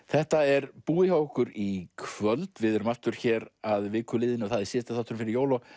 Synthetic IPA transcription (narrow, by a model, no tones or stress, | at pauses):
θɛht̪aɛɾpuːɪhawkʏɾikʰvœlt̪vɪðɛɾʏmaft̪ʏɾ̥çɛːɾaðvɪːkʰʏlɪːðɪnɪɔθaðisɛːst̪aθaht̪ːʏɾmfɪɾɪɾjoːwlɔ